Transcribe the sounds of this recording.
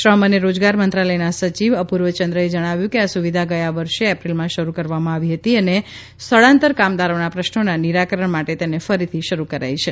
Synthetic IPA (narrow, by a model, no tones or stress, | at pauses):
ʃɾəməneɾod͡ʒɡaɾmənt̪ɾaləjnasət͡ʃiʋəpuɾʋət͡ʃənd̪ɾəed͡ʒəɽ̃aʋjũkeasuʋid̪ʱaɡəjaʋəɾʃeɛpɾilmãʃəɾukəɾʋamãaʋiɦət̪iəne | st̪ʰəɭãnt̪əɾkamd̪aɾonapɾəʃnonaniɾakəɾəɳmaʈet̪enefəɾit̪ʰiʃəɾukəɾa̰jt͡ʃʰe